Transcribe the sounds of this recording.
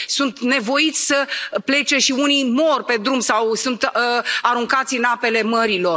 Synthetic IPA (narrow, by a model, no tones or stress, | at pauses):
sunt̪ne̞vo̞it̪sʲsəple̞t͡ʃe̞ʃiunijmo̞rpe̞d̪ɾumsawsunt̪aɾuŋkat̪sʲɨnape̞le̞məɾilo̞r